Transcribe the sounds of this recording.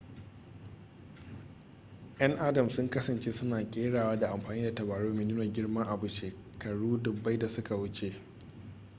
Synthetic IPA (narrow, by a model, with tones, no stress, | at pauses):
ʔɐ˦ŋʔa˦dɐ˨msʊ˦ŋkɐ˦sɐ˨nt͡ʃe˦sʊ˦naː˨kʲʼeː˦ɽaː˨waː˦da˨ʔa˨mɸaː˨niː˦da˨tɐ˨baː˨ɽoː˦miː˨nɪ˦noː˨ɡʲɪ˦ɽmɐ˦ŋʔa˨bu˨ʃeː˨ | kɐ˨ɽuː˦dʊ˨bːa˦jda˨sʊ˦ka˨wʊ˦t͡ʃe˦ʔ